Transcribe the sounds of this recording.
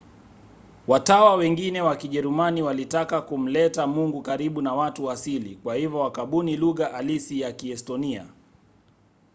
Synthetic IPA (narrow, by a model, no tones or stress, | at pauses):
watawawɛŋɡinɛwakiʄɛɾumaniwalitakakum̩lɛtamuŋɡukaɾiɓunawatuwasilikwahivɔwakaɓuniluɣaʔalisijakiɛstɔnia̰